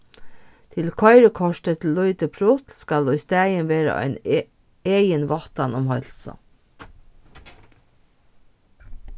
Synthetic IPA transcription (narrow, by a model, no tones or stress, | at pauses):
t̪ʰɪlkʰɔɪɾəkʰɔʃʈət̪ʰɪl̩ːɔʏt̪əpʰɾʊt̪skɑluʏst̪æːjənʋeːɾa̰ʔɑ̰ɪn | eːjənʋɔt̪ɑnʊmhœl̥sə̰